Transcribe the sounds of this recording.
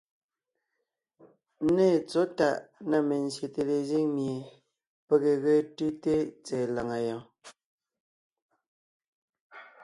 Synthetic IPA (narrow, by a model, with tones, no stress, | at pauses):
nɛ˦˨t͡sɔ˨˦ta˨ʔna˦˨me˨n˨sje˨te˨le˨zi˦ŋmje˨ | pe˨ɣe˨ɣe˦tʉ˦te˦t͡sɛː˨la˨ŋa˨jɔ̃˨